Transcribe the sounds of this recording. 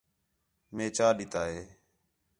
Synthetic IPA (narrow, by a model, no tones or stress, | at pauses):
mẽːt͡ʃaːɗɪt̪aːɦeː